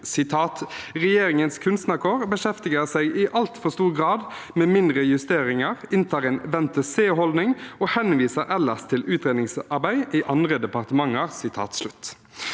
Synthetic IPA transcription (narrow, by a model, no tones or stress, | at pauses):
sɪt̪ʰɑːt̪ʁɛjeːɾɪŋənskʰʉnst̪nəʁkʰoːʁbəʃɛft̪ɪɡəʁsæɪɡɪʔɑlt̪fɔʁst̪uːʁɡʁɑːd̪meːmɪnd̪ʁəjʉst̪eːʁɪŋəʁɪnt̪ʰɑːʁɛnʋɛnt̪əseːɦɔld̪nɪŋɔhɛnʋiːsəɾɛlːəst̪ʰɪlʉːt̪ɾeːd̪nɪŋsɑʁbæɪʔɪʔɑnd̪ʁəd̪ɛpɑʁt̪əmɑŋːəʁsɪt̪ʰɑ̰ːt̪slʉt̪ː